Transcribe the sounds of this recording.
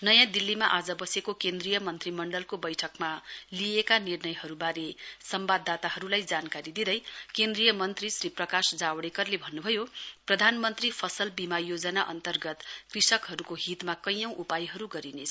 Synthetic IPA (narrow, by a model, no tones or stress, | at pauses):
nʌjãd̪ilːimaʔad͡zʌbʌsekokend̪rijʌmʌnt̪rimʌɳɖʌlkobʌjʈʰʌkmaliekanirnʌjɦʌɾubaɾesʌmbad̪ːat̪aɦʌɾulajd͡zankaɾid̪id̪ʌjkend̪rijʌmʌnt̪risriprʌkasd͡zawɽekʌrlebʱʌnːubʱʌjoprʌd̪ʱanmʌnt̪ripʰʌsʌlbimajod͡zʌnaʔʌ̰nt̪ʌrɡʌt̪krisʌkɦʌɾukoɦit̪makʌjʌ̃w̃ʔupajɦʌɾuɡʌɾinet͡sʰʌ̥